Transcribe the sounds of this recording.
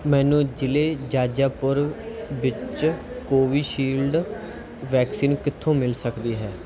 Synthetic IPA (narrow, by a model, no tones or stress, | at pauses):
mɛ̃ːnũːd͡ʒɪleːd͡ʒaːd͡ʒaːpʊɾʋɪt͡ʃt͡ʃ | koːʋiːʃiːlɖ | ʋɛːksiːnkɪt̪ʰːõːmɪlsəkd̪iːɦɛː